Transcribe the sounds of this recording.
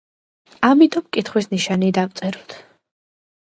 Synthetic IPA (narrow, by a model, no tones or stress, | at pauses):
amit̪ʼɔmkʼit̪χwisniʃanid̪avt̪sʼɛɾɔt̪ʰ